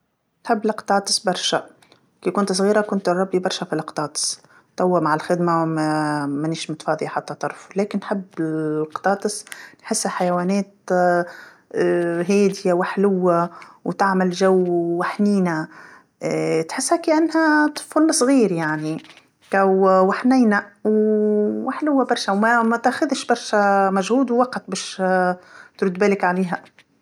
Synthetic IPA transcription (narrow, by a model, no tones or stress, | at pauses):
nħɪbːlɪqt̪ˤɑːt̪ˤɨ̥sbɑɾˤʃa | kiːkʊnt̪sˤɣiːɾakʊnt̪ɨrˤːɑbːibɑɾˤʃafilɪqt̪ɑːt̪ˤɨ̥s | t̪ˤawːamaʕalxɪd̪mamamaniːʃmʊt̪fɑːðˤiʔħat̪ːat̪ˤːɑɾˤfuleːkɪnːħɪbːɪlqt̪ˤɑːt̪ˤɨsnħɪsːhaħajawaːneːt̪ | ɦeːd̪jawɪħlʊwːawt̪aʕmɪlʒawːwaħniːnæ | t̪ħɪsːhæːkiʔænːhæt̪fʊlːɑsˤɣiːɾjaʕni | kæwwaħnɪjnæwwaħlʊwːabɑɾˤʃawmæmæt̪ʔæxʊðʃbɑɾˤʃæmæʒhuːd̪wwɑqt̪bɛːʃ | t̪ɾʊd̪bæːlɪkʕaleːɦæ